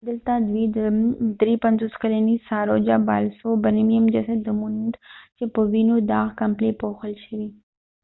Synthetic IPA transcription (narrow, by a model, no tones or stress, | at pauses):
d̪əlt̪ad̪wid̪d̪ɾipɐnzoːskɐlənisaːɾod͡ʒaba̰ːlsobəɾimijəmd͡ʒɐsɐd̪ːəmunnd̪t͡ʃepəʋinod̪aːɣkɐmplepoxəlʃəʋi